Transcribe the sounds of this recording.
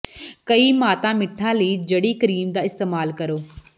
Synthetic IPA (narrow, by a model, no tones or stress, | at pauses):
kəiːmaːt̪ãːmɪʈʰːãːləiːd͡ʒəɽiːkəɾiːmd̪aːɪst̪eːmaːlkəɾoː